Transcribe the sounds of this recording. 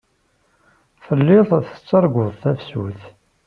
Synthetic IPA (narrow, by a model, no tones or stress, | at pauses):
θəlːɪðˤθə̥t͡sːɑɾˤɡʷʊðˤθæfsuθ